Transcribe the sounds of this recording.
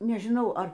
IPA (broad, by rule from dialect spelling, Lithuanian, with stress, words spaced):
nʲɛʒʲɪˈnɐʊ ˈɐr